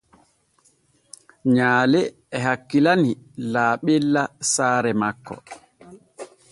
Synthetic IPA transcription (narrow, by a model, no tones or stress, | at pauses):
ɲaːlɛː | ɦakːilanilaːɓɛlːasaːɾɛmakːɔ̰